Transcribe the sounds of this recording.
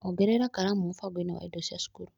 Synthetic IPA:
oɡeɾeɾakaɾamũfaɡinawa̰idosiasu̥kuɾu

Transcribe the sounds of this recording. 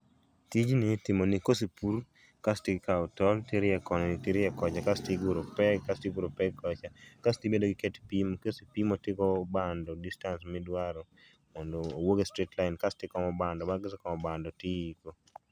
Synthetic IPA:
tid͡ʒnɪtɪmonɪkosipuɾ | kastɪkaɔtɔltɪɾjɛkɔnɔnɪtɪɾɪɛkɔt͡ʃakastɪɡuɾopɛɡkastipuɾopɛɡkːɔt͡ʃakastibedoɡɪkɛtpimkesipimotɪkɔbandɔdistansmɪdwaɾɔ | mɔndoːwoɡestɾitlaɪnkastɪkɔmɔbandɔmaɡɪskɔmɔbandɔtiiko

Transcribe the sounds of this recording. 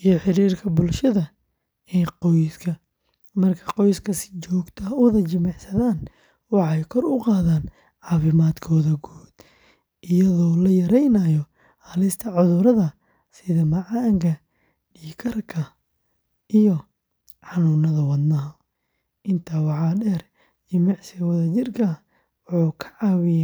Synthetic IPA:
ʔijɔħɪɾiːrkʰɐbʊlʃɐðɐ | ɛjqɔjskʰɐ | mɐrkʰɐqɔjskʰɐsɪ̥t͡ʃɔːɡt̪ʰɐʊðɐt͡ʃɪmɑʕsɐðaːn | wɑħɛjkʰɔrʊqɑːðaːn | ʕɑːfɪmaːd̪kʰɔːðɐɡuːd̪̥ | ʔɪjɐðɔːlɐjɐɾɛjnɐjɔ | hɐlɪst̪ʰɐʕʊðʊɾɐðɐ | sɪðɐmɐʕɑŋkʰɐ | ɗiːkʰɐrkʰɐ | ʔijɔ | ħɑnuːnɐðɐwɐd̪nɐɦɐ | ʔɪnt̪ʰɐwɑʕɑːɖɛːr | t͡ʃɪmɛʕsɪwɐðɐt͡ʃɪrkʰɐ | wʊħuːkʰɐ̥ʕɑːwɪjaː

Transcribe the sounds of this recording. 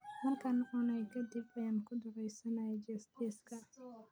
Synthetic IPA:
mɐrkʰɐnʔʊnɐjkʰɐd̪ɪbɐjaːnkʰʊd̪ʊɾɛjsɐnɐjɛd͡ʒɛst̪ɛːskʰɐ

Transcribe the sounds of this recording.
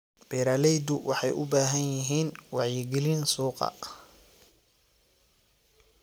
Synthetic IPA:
b̥ɛːɾaːlɛjd̪ʊwɑħɑjʔʊbaːɦɐnjɪɦiːnwɑʕjɪɡɪlɪnsuːqɑ̰

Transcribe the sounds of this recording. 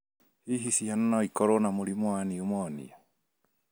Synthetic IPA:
hiɦisianːaikɔɾɔnamulimwaniumɔanḭa

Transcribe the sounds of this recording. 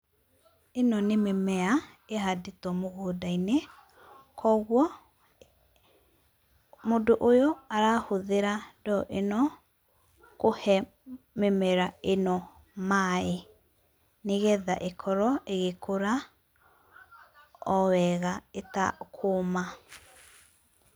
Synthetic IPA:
enɔnememɛa | eɦadetɔmoɣoːdaine | kʰɔɣwɔ | modoʔojɔaɾaːhoðeɾadɔʔenɔ | kohɛ | memɛɾaenɔ | mae | neɣɛða̰ʔekʰɔɾɔʔeɣekʰoɾa | ɔwɛɣaeta̰kʰoma

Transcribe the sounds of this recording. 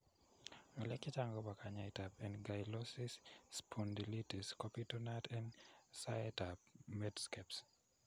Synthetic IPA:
ɔlɛkit͡ʃaŋɡɔbakaɲaitapɛnɡajlɔsisːpʰundilitiskɔpitɔnatʰɛnsaɛtapmɛdskɛps

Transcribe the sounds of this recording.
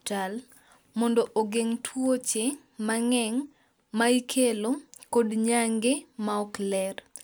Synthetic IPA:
tal | mɔndɔʔoɡeŋtʰwot͡ʃe | maŋɛŋ | maikʰelokodɲaŋɡemaɔklɛr

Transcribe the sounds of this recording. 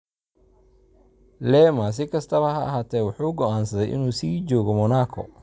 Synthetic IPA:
lɛːmas̬ɪkʰɐst̪ʰɐβɐɦɐːɦaːt̪ʰɛːwʊħuːɡɔaːnsɐðɛjʔɪ̰nuːsiːt͡ʃɔːɣɔmɔnaːkʰɔ̰

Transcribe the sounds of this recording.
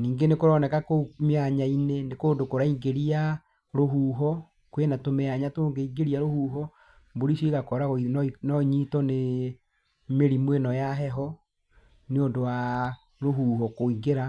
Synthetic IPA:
niːŋɡenekoɾɔnɛkakomeaɲainenekondokoɾaiŋɡeɾia | ɾoɦuːɦɔ | kwenatomeaɲatoŋɡeiŋɡeɾiaɾohuːɦɔ | mboɾisiɣakɔɾannɔɲitɔne | meɾimwenɔjaɦɛɦɔ | neondowa | ɾoɦuːɦɔkoiŋɡeɾa

